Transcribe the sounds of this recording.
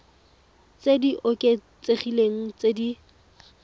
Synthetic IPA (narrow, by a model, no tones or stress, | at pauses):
t͡sediʔʊkʼet͡seχileŋ̩t͡sedi